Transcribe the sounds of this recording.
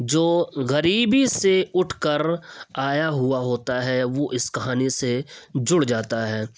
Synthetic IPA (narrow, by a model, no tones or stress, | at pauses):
d͡ʒoːɣɐɾiːbiseʊʈʰkəɾaːjaɦʊaɦoːt̪aɦɛʋoʔɪskɐɦaːnised͡ʒʊɽd͡ʒaːt̪aɦɛː